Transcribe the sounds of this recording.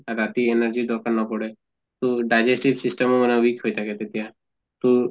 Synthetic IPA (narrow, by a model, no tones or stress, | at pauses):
ɾaːt̪ienəɾd͡ʒid̪ɔːɾkəɾnapɔɽe | t̪oɖaːd͡ʒesʈɪɾsɪsʈəmemənaʋiːkɦot̪akɛt̪et̪ijã | t̪o